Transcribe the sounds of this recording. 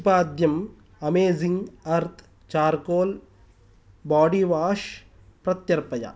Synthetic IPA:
paːd̪jɐm | ɐmeːziŋɡɐɾt̪ʰ | t͡ʃaːɾkoːl | baːɖiʋaːʂ | pɾɐt̪jɐɾpɐjɐ̰

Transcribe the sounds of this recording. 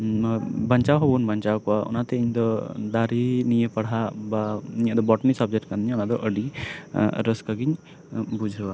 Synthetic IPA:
bəɲt͡ʃawɦɔbunbəɲt͡ʃawkɔwaʔɔ̰nat̪ɛiɲd̪ɔd̪aɾinijəpaɽɦabaiɲəd̪ɔbɔʈnisab̚d͡ʒɛʈkand̪iɲɔnaʔd̪ɔʔəɖi | ɾəskaɡiɲ | bud͡ʒʱəwa

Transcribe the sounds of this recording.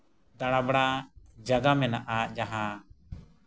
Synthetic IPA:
d̪aɽ̃abɽad͡ʒaɡamɛnaʔad͡ʒaɦa

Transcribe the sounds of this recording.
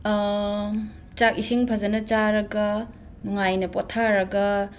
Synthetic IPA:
t͡ʃak̚isiŋpʰɐzɐnɐt͡ʃaɾɐɡɐ | nuŋajnɐpotʰaɾɐɡɐ

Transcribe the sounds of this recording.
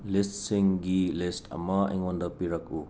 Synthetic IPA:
listsiŋɡilisʈʰɐ̰mɐḛŋɔnd̪ɐpiɾɐku

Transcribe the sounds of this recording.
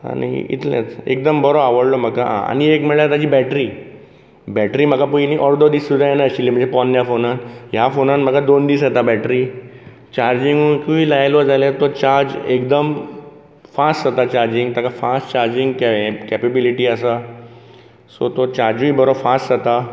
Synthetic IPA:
a̰nḭḭt̪lḛ̃t͡sḛk̚d̪əmbəɾoaʋəɽlom̤əkaã̰a̰ñiekmɛɭat̪ad͡ʑiːbɛʈɾiː | bɛʈɾiːm̤əɡapuiniʔɔɾd̪od̪iːsud̪ʱajenaəɕilim̤ə̃ɳd͡zepɔnːjafonanjafonanm̤əɡad̪ond̪iːsat̪abɛʈɾiː | t͡ɕaɾd͡ʑiŋɡukiiːlajlɔd͡zalet̪ot͡ɕaɾd͡ʑekd̪əm | fasʈat̪at͡ɕaɾd͡ʑiŋɡt̪akafasʈt͡ɕaɾd͡ʑiŋɡkkɛpebiliʈiːəsa | sot̪ot͡ɕaɾd͡ʑuibəɾofasʈzat̪a

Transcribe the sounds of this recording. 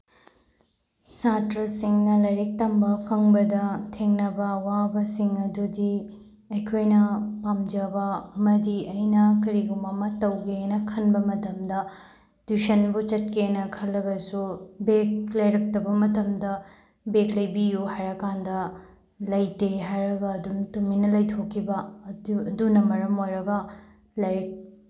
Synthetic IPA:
satɾɐsiŋnɐlɐjɾek̚tɐmbɐpʰɐŋbɐdɐtʰeŋnɐbɐwabɐsiŋɐdudi | ɐjkʰojnɐpamd͡ʒɐbɐɐmɐdiɐjnɐkɐɾiɡumɐmɐtɐwɡenɐkʰɐnbɐmɐtɐmdɐ | dusɐnbut͡ʃɐt̚kenɐkʰɐlːɐɡɐsubek̚lɐjɾɐk̚tɐbɐmɐtɐmdɐ | beklɐjbijuhajɾɐkandɐ | lɐjteɦajɾɐɡɐːduntuminɐlɐjtʰokʰːibɐdudunɐmɐɾɐmojɾɐɡɐ | lajɾɐk̚

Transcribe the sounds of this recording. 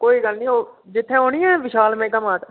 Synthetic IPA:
koːiːɡəlnĩːoːd͡ʒɪt̪ʰːẽːɦoːɽiːɛːʋɪʃaːlmẽːkəmaːt̪

